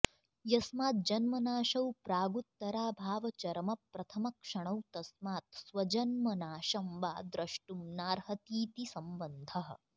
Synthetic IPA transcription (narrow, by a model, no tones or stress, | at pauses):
jɐsmaːt̪̚d͡ʒɐnmɐnaːʃɐwpɾaːɡut̪ːɐɾaːbʱaːʋɐt͡ʃɐɾɐmɐpɾɐt̪ʰɐmɐkʂɐɳ̃ɐwt̪ɐsmaːt̪sʋɐd͡ʒɐnmɐnaːʃɐmʋaːd̪ɾɐʂʈumnaːɾhɐt̪iːt̪isɐmbɐnd̪ʱɐɦɐ̰̆